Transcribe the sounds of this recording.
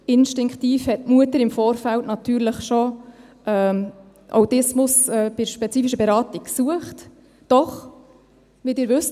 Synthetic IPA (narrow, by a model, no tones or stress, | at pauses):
ɪnʃtɪŋktiːfhɛt̚muətəɾɪmfɔːɾfæltnɑtyːɾləχʃo | ʔɛː | ʔa̰wtɪsmʊsɛːb̥ɪʃpɛt͡siːfiʃəbɛɾɑːtikksuəχt | d̥ɔχ | ʋidɪːɾʋʏs